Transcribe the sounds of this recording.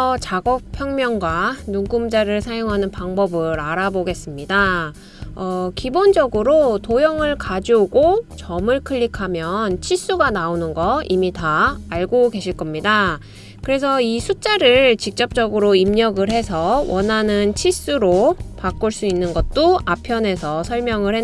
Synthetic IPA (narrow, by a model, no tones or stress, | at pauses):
ʌt͡ɕaɡʌk̚pʰjʌŋmjʌŋɡwanuŋkumd͡ʑaɾɯɭsʰajoŋɦanɯnpaŋbʌbɯɾaɾaboɡe̞s͈ɯmɲida | ʌkibond͡ʑʌɡɯɾotojʌŋɯɭkad͡ʑuoɡot͡ɕʌmɯɭkʰɯʎːikʰamjʌnt͡ɕʰis͈uɡanaonɯnɡʌimitaːɭɡoɡe̞ɕʰiɭk͈ʌmɲida | kɯɾe̞sʰʌisʰut͡ɕ͈aɾɯɭt͡ɕik̚t͡ɕ͈ʌp̚t͡ɕ͈ʌɡɯɾoimɲʌɡɯɭɦe̞sʰʌwʌnɦanɯnt͡ɕʰis͈uɾopak͈uɭs͈uinːɯnɡʌt̚t͈oapʰjʌne̞sʰʌsʰʌɭmjʌŋɯɭhe